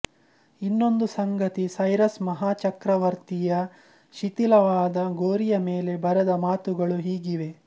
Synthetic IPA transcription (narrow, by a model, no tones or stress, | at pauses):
inːo̞nd̪usɐŋɡɐt̪isɐjɾɐsmɐɦaːt͡ʃɐkɾɐʋɐɾt̪ijɐ | ʃit̪ilɐʋaːd̪ɐɡoːɾijɐmeːle̞bɐɾɐd̪ɐmaːt̪uɡɐɭuɦiːɡiʋe̞